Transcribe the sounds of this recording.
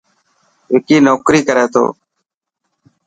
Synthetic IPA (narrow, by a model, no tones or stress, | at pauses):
ɦɪkiːnoːkɾiːkəɾeːt̪ʰo̰ː